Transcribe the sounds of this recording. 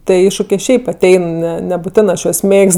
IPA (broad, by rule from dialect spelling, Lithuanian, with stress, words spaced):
tʲiɛ ˈɪʃʃʊkʲeː ˈʃʲɛɪp ɐˈtʲɛɪn ˈnʲɛ nʲɛbʊˈtʲæːnɜ ɐʃ juɔs ˈmʲeːkst